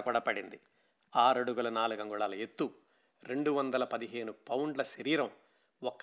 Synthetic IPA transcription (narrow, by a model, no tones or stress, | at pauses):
kuɽɐpɐɽind̪i | aːɾɐɽuɡulɐnaːluɡɐŋɡuɭaːlɐet̪ːu | ɾe̞ɳɖuʋɐnd̪ɐlɐpɐd̪iɦe̞ːnupɐwɳɖlɐʃɐɾiːɾɐm | ɔkː